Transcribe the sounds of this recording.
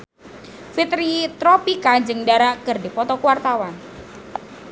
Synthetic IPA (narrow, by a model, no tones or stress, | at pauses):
fit̪ɾit̪ɾɔpikad͡ʒɨŋdaɾakɨrdipɔt̪ɔkwart̪awan